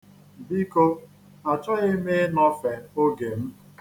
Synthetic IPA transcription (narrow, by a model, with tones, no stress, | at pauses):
bi˦ko˦ | a˨t͡ʃɔ˦ɣɪ˦me˦nɔ˦fe˨o˦ɡe˨m̩˦